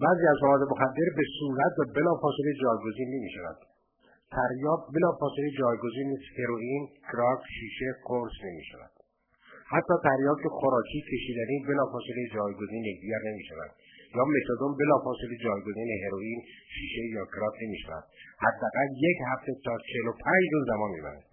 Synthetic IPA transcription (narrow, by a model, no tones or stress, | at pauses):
bæːziːæzmævɒːd̪emoxæd̪ːe̞ɾbe̞suːɾæt̪̚væbe̞lɒːfɒːseled͡ʒɒːjɡoziːnːemiːʃævæ̰d̪̥ | t̪ʰæɾjɒːkbe̞lɒːfɒːseled͡ʒɒːjɡoziːnːiːsheɾoʔiːnkʰɾɒkʃiːʃe̞ɡoɾsne̞mḭːʃævæ̰d̪̥ | hæt̪ʰːɒːt̪ʰæɾjɒːkʰexoɾɒːcʰiːcʰe̞ʃiːd̪ænibe̞lɒːfɒːselejd͡ʒɒːjɡoziːnjek̚d̪iɟæɾnemiːʃævæ̰nd̪̥ | jɒːme̞t̪ʰod̪ombe̞lɒːfɒːseled͡ʒɒːjɡoziːneɦeɾoiːnʃiːʃe̞jɒːkʰɾɒːkne̞miːʃævæ̰d̪̥hæd̪ːææɣæljechæft̪e̞t̪ʰɒːt͡ʃʰelopʰæd͡ʒɾuːzːæmɒːnmḭːbæ̰ne̥